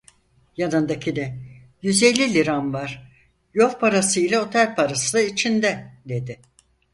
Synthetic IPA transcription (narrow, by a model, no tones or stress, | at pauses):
janɯnd̪acʰid̪ɛ | jyze̞lʲːilʲiɾanvaɾ̥ | jofpʰaɾasɯjlʲao̞t̪ʰælʲpʰaɾasɯlˠait͡ʃʰind̪ɛd̪e̞d̪ɪ